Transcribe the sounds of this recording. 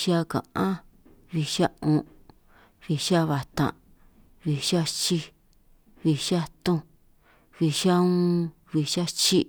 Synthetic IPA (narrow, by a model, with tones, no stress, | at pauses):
ʃa˦kã̰˨ʔã˦ | βi˧ʃa˦ũ˧ʔ | βi˧ʃa˦βa˨t̪ã̰˨ | βi˧ʃa˦t͡ʃi˧ | βi˧ʃa˦t̪õ˧ | βi˧ʃa˦ũ˦ | βi˧ʃa˦t͡ʃi˦